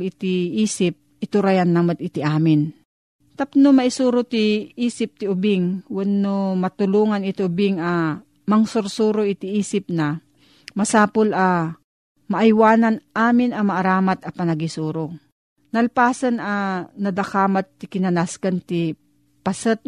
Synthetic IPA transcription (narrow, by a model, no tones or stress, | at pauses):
lɪt̪ɪʔiːsɪp̚ʔɪt̪ʊɾajanːamot̪ɪt̪ɪʔaːmɪn | t̪apnomɐɪsuːɾʊt̪ɪiːsɪp̚t̪ɪʊbɪŋwɛnːomɐt̪ʊluːŋanɪt̪ɪʔʊbɪŋɐ | mɐŋsʊɾsuːɾoʔɪt̪ɪʔiːsɪp̚nɐ | mɐsaːpolɐ | mɐʔajwaːnanʔaːmɪnɐmɐʔɐɾaːmat̪ɐpɐnɐɡisuːɾo | nɐlpaːsɐnʔɐnɐd̪ɐkaːmat̪ːɪkɪnɐnaskɐnt̪ɪ | pɐsət̪̚